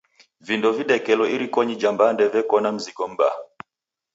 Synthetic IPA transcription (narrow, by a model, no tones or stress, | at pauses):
vindɔviɗɛkɛlɔiɾikɔɲid͡ʒambandɛvɛkɔnam̩zikɔm̩ba̰